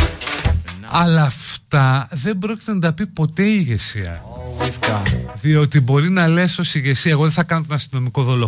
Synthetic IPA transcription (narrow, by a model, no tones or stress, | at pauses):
ɐlɐːft̪ɐðe̞mbɾo̞ci̥t̪enɐt̪ɐpipo̞t̪e̞iʝe̞siɐ̰ | ðio̞t̪ibo̞ɾinɐle̞so̞siʝe̞siɐeɣoðeθɐkɐnot̪onɐst̪ino̞miko̞ðolo